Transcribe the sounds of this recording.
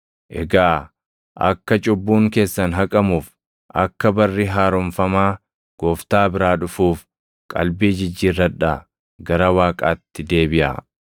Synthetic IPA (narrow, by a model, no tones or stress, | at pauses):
ʔɛɡaː | ʔɐ̰kːɐt͡ʃʼʊbːuːŋke̞ːsːɐnɦɐkʼɐmuːf | ʔɐkːɐbɐrːiɦaːɾɔmfɐmaː | ɡ̥oːft̪aːbɪɾaːᶑʊfuːf | kʼɐ̰lbiːd͡ʒɪd͡ʒːiːrːɐᶑa | ɡɐɾɐwaːkʼaːt̪ːɪd̪e̞ːbɪʔɐ̰